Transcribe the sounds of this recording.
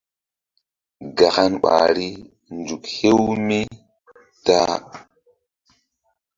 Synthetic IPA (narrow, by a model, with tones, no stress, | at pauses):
ɡa˨xa˦nɓa̰˨ɾi˦ | nd͡ʒu˨khe˦wmi˦ | ta˦